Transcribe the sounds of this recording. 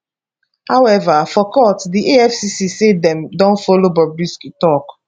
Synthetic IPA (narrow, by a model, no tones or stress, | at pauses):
hawɛvafɔkɔtdiʔeɛfsisisedɛ̃mdɔ̃nfolobɔbisktɔk